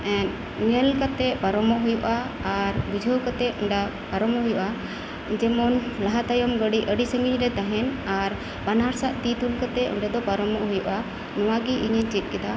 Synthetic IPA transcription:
ɛ̃n | nɛlkat̪ɛʔpaɾɔmɔʔɦujɔʔaːɾbud͡ʒʱəwkat̪ɛuɳɖa | paɾɔmɔɦujɔʔa | d͡ʒɛmɔnlaɦat̪ajɔmɡəɖiʔəɖisəŋɡiɲɾɛt̪aɦɛnaɾ | banaɾsaʔt̪it̪ulkat̪ɛʔṵɳɖad̪ɔpaɾɔmɔʔɦujuʔa | nɔwaɡiʔiɲəɲt͡ʃit̪̚kɛd̪a

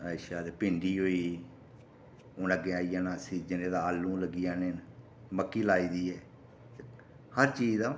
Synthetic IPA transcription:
əɪʃaːd̪eːpɪɳɖiːɦoːiː | ʊ̃ːnəɡeːaːijãːnaːsiːd͡ʒɪnẽːd̪aːəlːũːləɡijãːneːn | məkːiːlaːiːd̪iːɛː | həɾt͡ʃiːzdaː

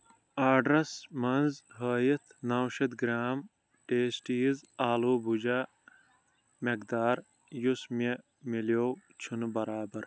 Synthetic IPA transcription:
aːɖɾɐsmɐnzɦəːjit̪ʰnɐwʃɐt̪ɡɾaːm | ʈeːsʈiːzaːluːbʱud͡ʒaː | mɐkd̪aːɾ | jusme | miljoːwt͡ʃʰunbɐɾaːbɐɾ

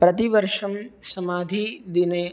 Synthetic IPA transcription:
pɾɐt̪iʋɐɾʂɐmsɐmaːd̪ʱid̪ineː

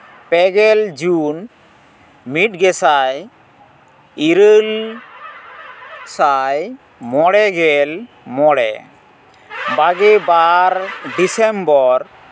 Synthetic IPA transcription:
pɛɡɛld͡ʒun | miʈɡɛsaj | iɾəl | saj | mɔɽɛɡɛl | mɔɽɛ̰ | baɡɛbaɾɖisɛmbɔɾ

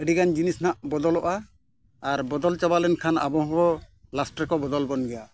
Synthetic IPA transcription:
əɖiɡand͡ʒinisnaʔbɔd̪ɔlɔʔaː | ɾbɔd̪ɔlt͡ʃabalɛnkʰana̰bɔɦɔbɔ | lasʈɾɛkɔbɔd̪ɔlbɔnɡɛja

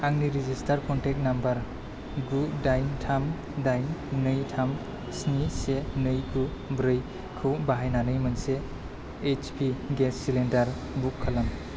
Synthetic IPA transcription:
aŋniɾizistʰaɾkʰɔntʰek̚nambɐɾ | ɡudajntʰam | dajnnɯjtʰam | snisenɯjɡubɾɯj | kʰɯwbaɦajnanɯjmɯnseː | t͡ʃpʰiɡesːilendaɾ | bukʰːalam

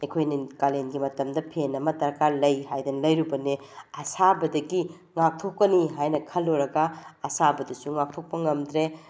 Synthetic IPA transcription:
ɐjkʰojnikalenɡimɐtɐmdɐpʰenɐmɐtɐɾkaɾlɐjɦajdɐnlɐjɾubɐneɐsabɐdɐɡi | ŋak̚tʰokːɐniɦajnɐkʰɐlːoɾɐɡɐɐsabɐdɐsuŋak̚tʰok̚pɐŋɐmdɾe

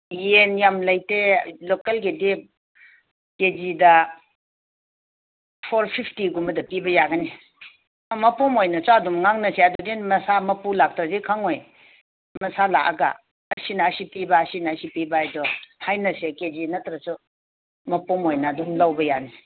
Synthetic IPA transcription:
jenjamlɐjtelokelɡedep̚ | ked͡ʒidɐ | pʰoɾpʰipʰtiɡumɐdɐpibɐjaɡɐni | mɐpɔmojnɐsuɐdumŋaŋnɐseadɔdenmɐsamɐpulak̚tɾɐzekʰaŋoj | mɐsala̰kɐɡɐ̰ː | sinɐːsipibaːsinɐːsipibaajdɔhajnɐseked͡ʒinɐtɾɐsu | mɐpɔmojnɐːdumlawbɐjani

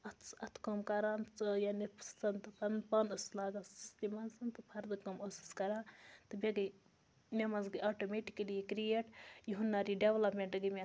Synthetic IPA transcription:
ɐt̪ʰsɐt̪ʰkɐmkɐɾaːnt͡sjanipsɐnt̪ɨpɐnpɐnɐslaːɡassist̪imɐnsɐnt̪ɨpʰɐɾd̪ɨkɐmosi̥skɐɾaːnt̪ɨbeɡɨ | mʲemɐzɡɨʔaʈomeʈikɐlikɾijeʈjuɦunːaɾiɖeʋlɐpmʲeɳʈɨɡimʲe

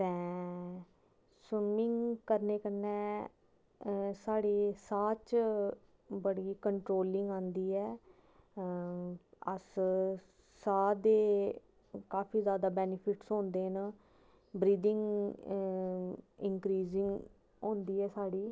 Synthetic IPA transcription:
t̪ɛ̃ː | sɪmɪŋɡkəɾneːkənɛː | saːɽeːsaːt͡ʃ | bəɽiːkəɳʈɾoːlɪŋɡãːnd̪iːɛː | ə̰s | saːd̪eː | kaːpʰiːzjaːd̪aːbɛːnɪpʰɪʈsɦõːnd̪eːn | bɾiːd̪ɪŋɡ | ɪŋkɾiːzɪŋɡ | õːnd̪iːɛːsaːɽiː

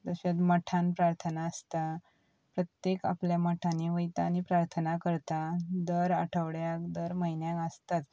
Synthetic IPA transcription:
d̪əɕat̪məʈʰãnpɾaɾt̪ʰənaːst̪a | pɾət̪jeka̰pljaməʈʰãniʋəjt̪aːñipɾaɾt̪ʰənakəɾt̪ad̪əɾaʈʰəʋɽjakd̪əɾməɦinjãŋəst̪at̪

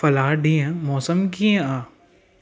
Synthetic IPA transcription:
fɐlaːɖiãmɔːsəmkiẽaː

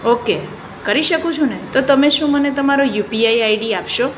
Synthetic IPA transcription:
oke | kəɾiʃəkũt͡ʃʰũnət̪ot̪əmeʃũmənet̪əmaɾojupiaiaiɖiapʃo

